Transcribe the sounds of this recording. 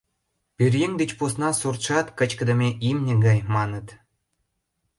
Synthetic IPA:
pʲyrʲjeŋd̪ĕt͡ɕpusnɑsurt̪ʂɑt̪kə̆t͡ɕkə̆d̪ə̆mʲeʔimnʲɘ̆ɡɑjmɑnɤ̆t̪

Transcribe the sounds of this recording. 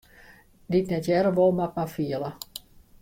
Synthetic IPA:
ditnɛtjɛɾəʋolˠmat̚mafiəlˠə

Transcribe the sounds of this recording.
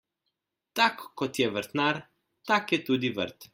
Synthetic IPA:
t̪akːɔt̪ɛvəɾt̪naɾ | t̪akɛt̪ud̪ivə̰ɾt̪

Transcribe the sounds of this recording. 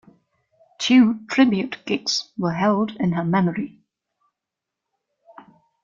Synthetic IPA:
tʰʉːtʰɹ̥ɪbjʉtɡ̥ɪtswəɦɛlˠdɪ̃nəmɛməɹi

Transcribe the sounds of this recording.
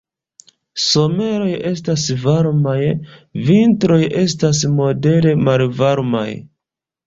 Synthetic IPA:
so̞me̞ɾo̞je̞stasvaɾmajvintɾo̞jʔe̞stasmo̞de̞ɾe̞malvaɾma̰j

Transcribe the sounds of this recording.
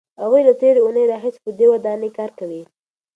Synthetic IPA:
haɣujlat̪eɾeunəjɾɑɦɪse̥pəd̪ewad̪ɑnekɑɾkəwi

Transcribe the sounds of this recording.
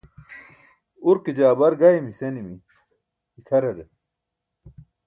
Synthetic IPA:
uɾkid͡ʑaːbɐɾɡaimisenimi | ikʰɐɾeɾe

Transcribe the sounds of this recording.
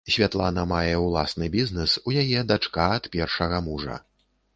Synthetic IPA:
sʲvʲat̪lˠanɐmajɛwlˠasnɨbʲiznɛsujajɛd̪at͡ʂkaɐt̪pʲɛrʂɐɣɐmuʐɐ̰

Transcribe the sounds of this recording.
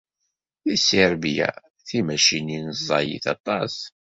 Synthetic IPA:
jisiɾbjæ̰ | θimæʃininzˤːɑjḭθɑ̰t̪ˤɑs

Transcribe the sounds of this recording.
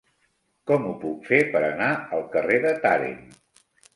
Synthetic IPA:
kɔmupukfepəɾənaəlˠkəreðət̪aɾḛn

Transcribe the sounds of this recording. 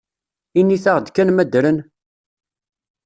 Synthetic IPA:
inːiθaʁd̪kænmæd̪ɾən

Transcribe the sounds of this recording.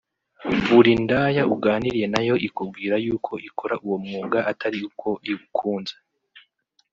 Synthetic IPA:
βuɾindaːjauɡaːniɾije̞najo̞ʔikub̚ɡiːɾajuːkʰo̞ʔikʰo̞ɾaʔuwo̞mŋuːɡaʔatʰaɾiukʰo̞ʔiɡukʰuːnze̥

